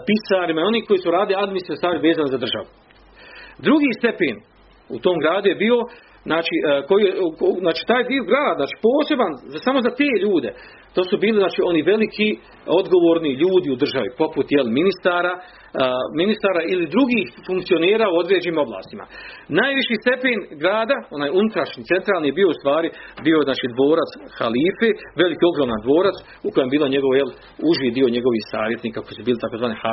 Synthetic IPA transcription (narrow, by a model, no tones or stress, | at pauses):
pisaːɾimaio̞niːhko̞jiːsuɾaːd̪iliad̪minisnest̪ʋaːɾiʋe̞ːzaːnozad̪r̩ʒa̰ʋu | d̪ɾuɡiːst̪e̞pḛːn | ṵt̪o̞ːmɡɾaːd̪uje̞biːo̞ | znaːt͡ʃiʔko̞jijekznaːt͡ʃi̥ːt̪aːjd̪ioɡɾaːd̪zaːt͡ʃi̥po̞ːse̞banzasamo̞zat̪e̞ːʎuːd̪e̞̰ | t̪o̞ːsubiːliznaːt͡ʃiːo̞niʋe̞likʰi | o̞d̪ɡo̞ʋo̞ːɾniʎuːd̪iud̪r̩ʒaʋipo̞put̪jeliminist̪aːɾa | minist̪aːɾaːʔilid̪ɾuɡiːhfuŋk̚t̪sio̞neːɾaːuo̞d̪ɾeːd͡ʑeniːmo̞bla̰ːst̪ima̰naːjʋiʃiːst̪e̞peːnɡɾaːd̪ao̞naːjunut̪ɾaʃɲit̪e̞nt̪ɾaːlˠnijebio̞ust̪ʋaːɾibiːo̞znaːt͡ʃiːd̪ʋo̞ːɾat̪sxa̰liːfeʋe̞likio̞ɡɾoːmand̪ʋo̞ːɾat̪s | uko̞jembiːloɲe̞ɡo̞ʋjel | uʒjid̪io̞ɲe̞ɡo̞ʋiːhsaːʋjet̪niːkako̞jisubiːlit̪ako̞zʋaːnia